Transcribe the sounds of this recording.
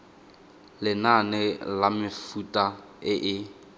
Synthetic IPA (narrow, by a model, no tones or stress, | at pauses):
lɪnanɪlamɪfutʼa | ɪʔɪ